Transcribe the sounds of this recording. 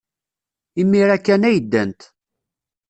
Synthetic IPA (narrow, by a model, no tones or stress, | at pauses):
imːiɾækːænæjəd̪ːənt̪